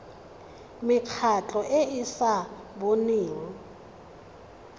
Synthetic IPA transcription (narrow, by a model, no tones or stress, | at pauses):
mɪkʰat͡ɬʼɔʔeɪsaboniːŋi